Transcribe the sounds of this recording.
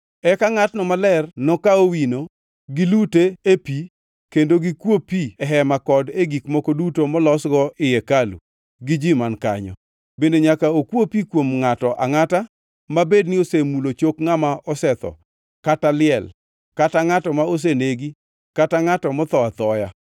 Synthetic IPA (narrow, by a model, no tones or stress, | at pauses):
ɛkaŋatnɔmalɛrnɔkaowino | ɡɪluteepi | kendoɡikwopiɛɦɛmakɔdeɡikmɔkɔdutomɔlɔsɡɔʔɪjɛkalṵ | ɡɪd͡ʒimanka̰ɲɔ̰ | bendeɲakaokwopikwomŋatɔʔa̰ŋata | mabednɪosemulot͡ʃokŋamaɔsɛt̪ɔ̰ | katalɪɛl | kataŋatɔmaos̬eneɡi | kataŋatɔmɔt̪ɔat̪ɔja̰